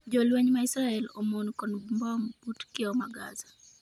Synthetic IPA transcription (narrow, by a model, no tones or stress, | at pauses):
d͡ʒɔlwɛɲmaisɾaɛlɔmɔnkɔnbmbamb̥utkɪɔmaɡaza